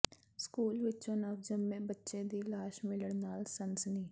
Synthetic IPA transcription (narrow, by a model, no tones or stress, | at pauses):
skuːlʋɪtːt͡ʃõːnəːʋd͡ʒəmːẽːbətːʃẽːd̪iːlaːʃmɪləɳnaːlsənsəniː